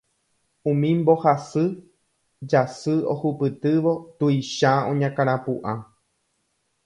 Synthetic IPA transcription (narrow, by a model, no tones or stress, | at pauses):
ũmĩmbo̞hasɨ | d͡ʒasɨohupɨt̪ɨʋo̞t̪uiʃaõɲãkãɾ̃ãpuʔã